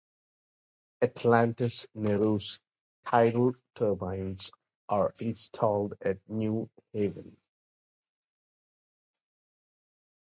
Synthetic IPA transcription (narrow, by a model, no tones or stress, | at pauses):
ɨʈʰlæ̃nʈɪsnɛɾos | tʰaɪɾl̩ʈʰəbãɪ̃ns | ʔaɹɪ̃nstʰɔːlɖæʈ̚njuːheʋə̰̃n